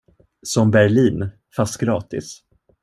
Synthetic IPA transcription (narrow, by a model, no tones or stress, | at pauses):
sɔmbæɭiːn | fast̪̚ɡɾɑːt̪ɪ̰s